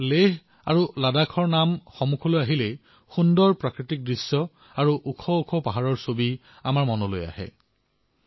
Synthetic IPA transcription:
leɦ | a̰ɹuladakʰɔɹnamxɔmukʰɔlojaɦilɛ | xundɔɹpɹakɹitik̚dɹisjɔ | aɹuʔukʰɔukʰɔpaɦaɹɔɹsobi | amaɹmɔnɔlo̰ja̰hɛ̰

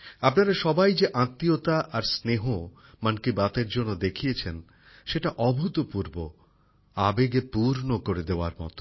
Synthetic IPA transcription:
apnaɾaʃɔbajd͡ʑeʔãt̪ːiot̪aʔaɾsneɦo | mankibat̪eɾd͡ʑonːod̪ekʰijet͡ɕʰen | ʃeʈaʔɔbʱut̪opuɾbo | abeɡepuɾnokoɾed̪eoa̰ɾmɔ̰t̪o̥

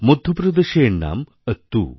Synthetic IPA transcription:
mud̪ʱːupɾɐd̪eʃeːnːa̰ːm | ɐt̪ːṵː

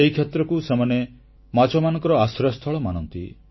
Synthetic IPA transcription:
eɦikʰet̪ɾɔkusemane | mat͡ʃɔmanɔ̃ŋkɔɾɔasɾɔst̪ʰɔɭɔmanɔnt̪ḭ

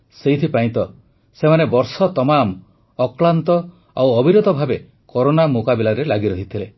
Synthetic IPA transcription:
seɦit̪ʰipaĩt̪ɔ | semanebɔɾsɔt̪ɔmam | ɔklant̪ɔ | awɔbiɾod̪ɔbʱabe | kɔɾonamukabilaɾelaɡiɾɔɦit̪ʰile

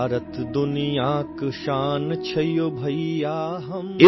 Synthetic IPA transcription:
ɾət̪d̪ʊnijaːkʃaːnt͡ʃʰɐjobʱɐijaːɦɐmɪ

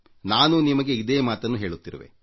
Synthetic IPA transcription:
naːnunimɐɡe̞id̪eːmaːt̪ɐnːuɦe̞ːɭut̪ːiɾɐʋḛ

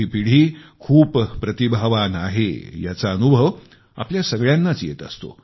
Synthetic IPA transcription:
ipiɽ̤iːkʰuːppːɾət̪ibʱaʋanaɦḛjat͡saənubʱəʋ | a̰pljasəɡɭjanːat͡sjḛt̪ə̰st̪o̰

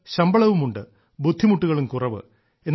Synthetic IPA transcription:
ɕɐmbɐɭɐʋumuɳɖɨ | bud̪ʱːimuʈːuɣɐɭumkurɐʋɨ̰ | e̞nː

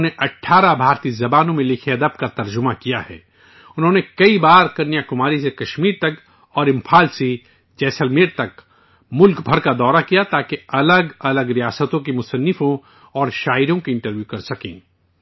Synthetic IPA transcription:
neʔɐʈʰːaːɾabʱaːɾt̪izɐbaːnõmẽlɪkʰeɐd̪əb̚kat̪ɐɾd͡ʒʊmakijahɛ̰ː | ʊnɦõːnekɐibaːɾkɐɾnijakʊmaːɾisekɐʃmiːɾt̪ɐk | ɔːɾɪ̃mpʰaːlsi | t͡ʃɛːsəlmeːɾt̪ɐk | mʊlkbʱɐɾkad̪ɔːɾakijat̪aːkeɐləɡɐləɡɾijaːsət̪õk̬imʊsənːɪfõ | ɔːɾʃaːɪɾjõkiɪ̃ɳʈəɾʋjukɐɾsɐkḛ̃ː

